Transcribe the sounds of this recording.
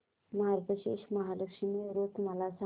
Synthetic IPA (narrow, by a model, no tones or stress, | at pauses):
mɐɦaɾpəʃḛʃmɐɦaləkʂimiɾot̪malasa